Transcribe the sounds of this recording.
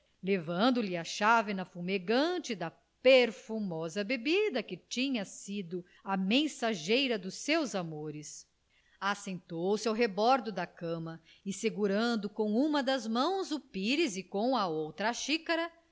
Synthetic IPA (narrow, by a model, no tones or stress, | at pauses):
levɐ̃nd̪ʊlɪɐʃavɪnɐfumeɡɐ̃t͡ʃɪd̪ɐ | peɾfumɔzɐbebid̪ɐkɪt͡ʃĩɲɐsid̪ʊ | ɐmẽsaʒejɾɐd̪ʊsewzamoɾɪs | asẽnt̪owwsɪawɦebɔɾd̪ʊd̪ɐkɐ̃mɐ | ɪseɡuɾɐ̃nd̪ʊkõw̃ũmɐd̪ɐzmɐ̃w̃zʊpiɾɪzɪkõw̃ɐowt̪ɾɐaʃikɐɾɐ